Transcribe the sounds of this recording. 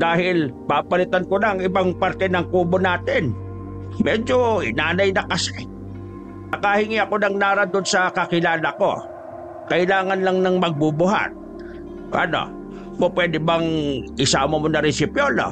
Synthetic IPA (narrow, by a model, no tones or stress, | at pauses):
d̪̥aːhɪlpapɐlɪt̪ankonɐŋɪbaŋpaɾt̪ɛnɐŋkuːbonaːt̪ɪn | mɛːd͡ʒoʔɪnaːnɐjnɐkɐsɛ | ɐkahɪŋiɐko̞nɐŋnaːɾad̪onsɐkɐkɪlaːlɐko̞̰ | kɐʔɪlaːŋɐnlɐŋnɐŋmɐɡ̚bʊbʊɦa̰t̪̚ | ʔɐ̰no̞̰ | popwɛːd̪ɪbɐŋʔɪsaːmomonɐɾɪsɪpjolo̰